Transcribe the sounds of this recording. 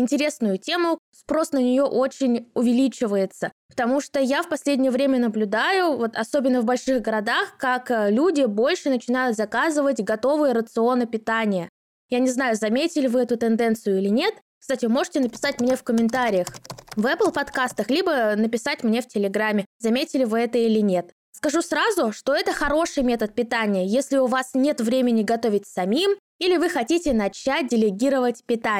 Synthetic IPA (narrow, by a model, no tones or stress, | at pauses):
ɪnʲtʲɪɾʲe̞snʊjʊtʲe̞mʊ | spɾo̞snənʲɪjo̞ʔo̞t͡ɕɪnʲʊvʲɪlʲit͡ɕɪvəjɪt̪səpə̥t̪ɐmuʂt̪ojafpɐsʲlʲedʲnʲɪjəvɾʲemʲənəblʲʊd̪ajʊvo̞t̪ɐso̞bʲɪnːəvbɐlʲʂɨɣɡəɾɐd̪axkaklʲudʲɪbo̞lʲʂɨnət͡ɕɪnajʊt̪zɐkazɨvətʲɡɐt̪o̞vɨjəɾət̪sɨo̞nəpʲɪt̪anʲɪjə | janʲɪznajʊzɐmʲetʲɪlʲɪvɨɛt̪ʊt̪ɨnd̪ɛnt̪sɨjʊilʲɪnʲe̞t̪ | kst̪atʲɪmo̞ʐɨ̥tʲɪnəpʲɪ̥satʲmnʲe̞fkəmʲɪnt̪aɾʲɪjəxvɛplˠpɐt̪kast̪əxlʲibənəpʲɪsatʲmnʲeftʲɪlʲɪɡɾamʲːɪzɐmʲetʲɪlʲɪvɨɛt̪əilʲɪnʲe̞t̪ | skɐʐusɾazʊʂt̪o̞ɛt̪əxɐɾo̞ʂɨjmʲe̞t̪ət̪̚pʲɪt̪anʲɪjəjesʲlʲɪʊvasnʲe̞t̪vɾʲemʲɪnʲɪɡɐt̪o̞vʲɪt̚ʲsɐmʲim | ilʲɪvɨxɐtʲitʲɪnɐt͡ɕæt̚ʲdʲɪlʲɪɡʲiɾəvətʲpʲɪt̪a